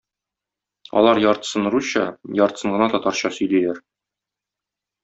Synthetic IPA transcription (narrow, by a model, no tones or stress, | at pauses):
ɒ̰lˠɑɾjɒɾt̪sɤ̆n̆ɾuɕɤjɒɾt̪ɤ̥sɤ̆ɴɢɤ̆nɑt̪ɒt̪ɑɾɕɑsɵ̆jlælæɾ